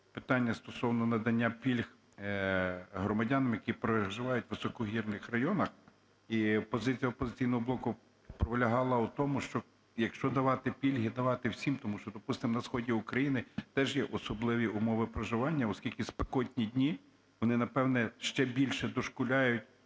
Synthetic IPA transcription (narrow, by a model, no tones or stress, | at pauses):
pɪ̥t̪ɑnʲːɐst̪ɔsɔwnɔnɐd̪ɐnʲːapʲilʲx | ɦɾɔmɐdʲɑnɐmjɐkʲipɾɔʒɪʋɑjʊt̚ʲʋɪsɔkɔɦʲirnɪxrɐjɔnɐx | ipɔzɪt͡sʲijɐɔpɔzɪt͡sʲijnɔɦɔblˠɔkʊ | pɾɔʋelʲɐɦɑlˠɐut̪ɔmʊʃt͡ʃɔ | jɐkʃt͡ʃɔd̪ɐʋɑt̪ɪpʲilʲɦid̪ɐʋɑt̪ɪwsʲimt̪ɔmuʃt͡ʃɔd̪ɔpust̪ɪmnɐsxɔdʲiʊkɾɐjinɪt̪ɛʒjɛʔɔsɔblˠɪʋʲiʊmɔʋɪpɾɐʒɪʋɑnʲːɐɔskʲilʲkɪspekɔtʲnʲidʲnʲi | ʋɔnɪnɐpɛwnɛʃt͡ʃɛbʲilʲʃɛd̪ɔʃkʊlʲɑjʊtʲ